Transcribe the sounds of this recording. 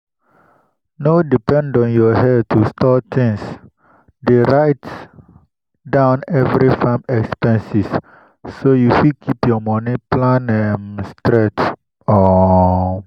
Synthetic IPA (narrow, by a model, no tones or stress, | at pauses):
nodipɛ̃ndɔ̃njɔhɛtustʰɔtʰĩŋs | deɹajt | dãʊ̃nɛvɹifãmɛkspɛ̃nsis | sojufikʰipjɔmɔniplãnɛmstɾɛt | ɔ